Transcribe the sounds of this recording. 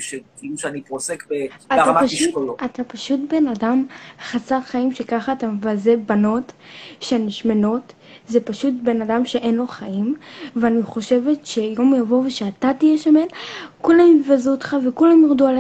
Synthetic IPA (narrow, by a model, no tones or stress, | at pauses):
ʃekiluʃeaniposekbeaanapaʃiuʃkoloat̪apaʃutbe̞nadamχasaʁχaimʃe̞kaχaːtamevazebano̞tʃeaniʃmeno̞t | zepaʃutbe̞nadamʃeʔenlo̞χaimveaniχo̞ʃe̞ve̞tʃe̞jo̞mjavo̞veʃeatatijeʃamelkulamivazuot̪χavekulamjiʁduale